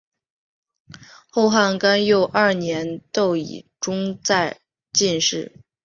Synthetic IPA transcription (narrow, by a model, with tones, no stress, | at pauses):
xo˥˧ʊxa˥˩nka˥njo˥˧ʊʔɐ˞˥˩njɛ˧˥nt̪o˥˩ʊḭ˨˩ʈ͡ʂʊ˥ŋt͡sa˥˧ɪ | t͡ɕi˥˧nʂɻ̩˥˩